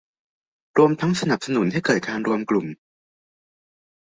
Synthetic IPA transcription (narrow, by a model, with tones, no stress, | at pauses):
ɾu˧əmt̪ʰa˦˥ŋsa˧na˨˩p̚sa˧nu˩˦nt̪ʰiː˥˩jkɤː˨˩t̪̚kaː˧nɾu˧əmklu˨˩m